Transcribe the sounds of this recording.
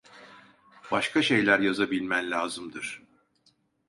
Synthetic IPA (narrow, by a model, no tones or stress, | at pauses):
b̥aʃkʰaʃe̞jlʲæɾjazabilʲmænlʲaːzɯmd̪ɯɾ̥